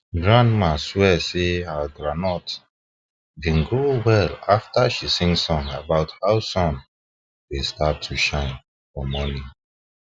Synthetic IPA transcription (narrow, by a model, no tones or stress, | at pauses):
ɡɹãnmãswɛsehaɡɾanɔt | bĩnɡɾuwɛlaftaʃisĩŋsɔ̃nabaʊthaʊsɔ̃n | westatʰuʃãɪ̃n | fɔmɔnĩ